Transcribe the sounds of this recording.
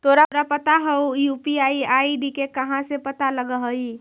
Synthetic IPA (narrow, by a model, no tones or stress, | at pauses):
t̪oːɾaɾapət̪aɦɐujuːpiaːiaːiɖikekɐɦãsepɐt̪aləɡəɦəi